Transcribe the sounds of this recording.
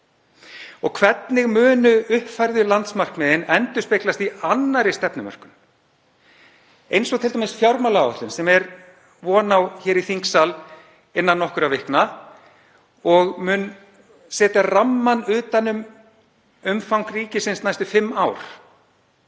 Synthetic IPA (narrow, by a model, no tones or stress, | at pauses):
ɔɣkʰvɛt̪nɪɣmʏːnʏʏhpfajɾðʏlant̪smar̥kmɛːðɪnɛnt̪ʏspeklast̪ianːaɾɪst̪ɛpnʏmœ̰r̥kʏn | ejnsɔɣt̪ʰɪlt̪amɪɪsfjawɾmalaɔht̪lʏnsɛmɛɾ | vɔːnawçɛːɾiθiŋksal | ɪnːanːɔhkʏɾavɪhkna | ɔɣmʏn | sɛːt̪aramːanʏːt̪anːʏm | ʏmfawŋkriːcɪsɪnsnajst̪ʏfɪmːaːwɾ̥